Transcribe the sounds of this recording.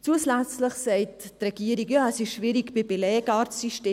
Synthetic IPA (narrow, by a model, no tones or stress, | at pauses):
t͡suːəslæt͡sləχsɛɪttrɛɡ̥iːəɾikjaːɛsɪʃʃviɾikb̥ibelɛːɡɑɾtːyʃteː